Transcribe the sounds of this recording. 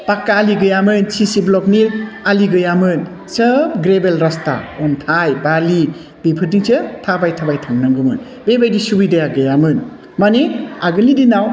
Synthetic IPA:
pakːaːliɡɯjamɯnsisiblɔk̚nialiɡɯjamɯn | sɯp̚ɡɾebelɾasta̰ɔntʰajbali | bipʰɯtiŋsʰɯtʰabajtʰabajtʰaŋnaŋɡɯmɯn | bebajdisubidajaɡɯjamɯn | maniaɡɯnlidinaw

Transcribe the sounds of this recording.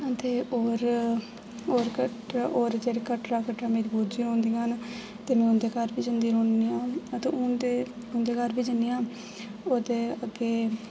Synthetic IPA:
ãt̪eːoːɾ | oːɾkə | ʔoːɾd͡ʒeːɽeːkəʈɾaːkəʈɾaːmẽːɾbuːd͡ʒiːõːnd̪ij̃ɦən | t̪eːmɛ̃ːʊnd̪eːkaɾbiːd͡ʒənd̪iːɾoːɳniãːət̪ẽːʊnd̪eː | ʊnd̪eːkaɾbʱiːd͡ʒənijãː | oːd̪eːəɡeː

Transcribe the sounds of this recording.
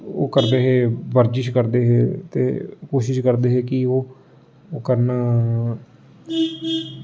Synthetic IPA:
o̰ːkəɾd̪eːɦeːbəɾd͡ʒɪʃkəɾd̪eːɦeːt̪ḛːkoːʃɪʃkəɾd̪eːɦeːkɪoː | kəɾnaː

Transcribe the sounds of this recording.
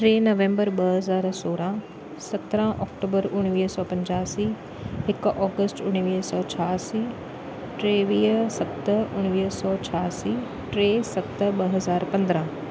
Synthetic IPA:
ʈɾeːnɐʋẽːmbəɾɓɐɦɐzaːɾsoːɾã | sɐt̪ɾãʔɔːkʈoːbəɾʊɽ̃ʋiːɦsɔːpɐ̃ɲd͡ʑaːsiː | ɦɪkʔɔːɡəsʈʊɽ̃ʋiːɦsɔːt͡ɕʰaːsiː | ʈɾeːʋiːɦsɐt̪ʊɽ̃ʋiːɦsɔːt͡ɕʰaːsiː | ʈɾeːsɐt̪ɓɐɦɐzaːɾpɐ̃nd̪ɾã

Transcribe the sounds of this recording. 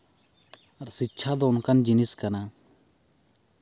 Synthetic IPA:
ɐɾsitːt͡ʃʰad̪oːnkand͡ʒiniskɐnaː

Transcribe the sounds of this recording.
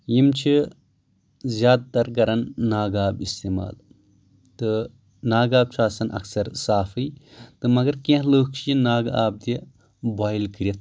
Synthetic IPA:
jimt͡ʃʰi | zjaːd̪̚t̪ɐɾkɐɾɐnːaːɡaːbist̪eːma̰ːl | t̪ɨ | naːɡaːb̚t͡ʃʰaːsɐnʔɐ̰ksɐɾsaːfɨjt̪ɨmɐɡɐɾkẽɦləːk̚ʰt͡ʃʰijinaːɡaːb̚d̪i | baːjlkiɾɐt̪̚ʰ

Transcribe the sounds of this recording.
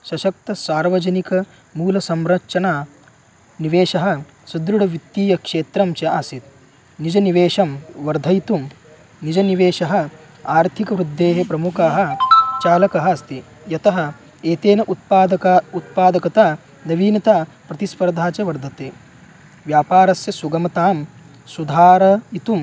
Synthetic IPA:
ʃɐʃɐk̚t̪ɐsaːɾʋɐd͡ʒɐnikɐ | muːlɐsɐmɾɐʂɐnaː | niʋeːʂɐɦɐ̆ | sud̪ɾuɽɐʋit̪ːiːjɐkʂeːt̪ɾɐmt͡ʃɐaːsit̪̚ | nid͡ʒɐniʋeːʂɐmʋɐɾd̪ʱɐjt̪um | nid͡ʒɐniʋeːʂɐɦɐ̆ | aːɾt̪ʰikɐʋɾud̪ʱːeːɦɐpɾɐmukaːɦɐ̆t͡ʃaːlɐkɐɦɐɐst̪i | jɐt̪ɐɦɐ | eːt̪eːnɐʔut̪̚paːd̪ɐut̪̚paːd̪ɐkɐt̪aː | nɐʋiːnɐt̪aː | pɾɐt̪ispɐɾd̪ʱaːt͡ʃɐʋɐɾd̪ʱɐt̪eː | ʋjaːpaːɾɐsjɐsuɡɐmɐt̪aːm | sud̪ʱaːɾɐit̪um

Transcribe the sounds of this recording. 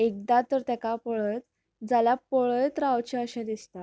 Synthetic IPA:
ek̚d̪at̪əɾt̪akapɔɭəjt̪ | d͡zalapɔɭəjt̪ɾaʋt͡ɕɛ̃əɕãd̪ist̪a

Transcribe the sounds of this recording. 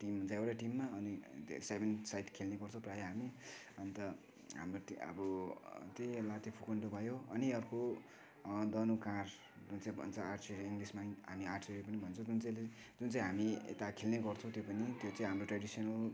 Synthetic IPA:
ʈimːt͡sãewɾaʈimːaʌnisebʱensajʈkʰelneɡʌrt͡sʰow̃prajeɦami | ʌnit̪ʌ | ɦa̰mroʈiʌ̰bʌt̪elat̪ipʰukoɳʈobʱʌjoʌniʌrko | d̪ʌnukãr | d͡zunt͡saĩbʱʌ̰nt͡sʰʌaʈt͡seɾiiŋɡlismaɦamiarʈseɾipʌnibʱʌnt͡sʰʌ̃w̃d͡zunt͡sele | d͡zunt͡saĩɦamiḛt̪akʰelneɡʌrt͡sʰʌ̃w̃t̪jopʌnit̪jot͡sãĩɦamroʈraɽisʌnʌl

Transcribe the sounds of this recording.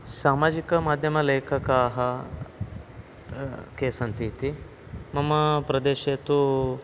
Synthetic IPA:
saːmaːd͡ʒikɐmaːd̪ʱjɐmɐleːkʰɐkaːɦɐ | keːsɐnt̪it̪i | mɐmɐpɾɐd̪eːʃeːt̪u

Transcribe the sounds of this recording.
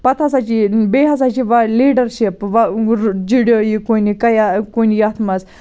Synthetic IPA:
pɐt̪ʰɐsat͡ʃʰibeːɦɐsat͡ʃʰiʋɐliːɖɐɾʃipʋɐd͡ʒiɽijoːjikoːnikɐjakonijat̪ʰmɐs

